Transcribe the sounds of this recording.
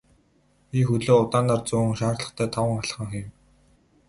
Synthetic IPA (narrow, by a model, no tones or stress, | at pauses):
pixɵɮoːʊt̪aːnaːrt͡sʊ̆ːŋʃaːrɮə̆χt̪ʰæːt̪ʰawə̆ŋaɮ̆χə̆ŋxim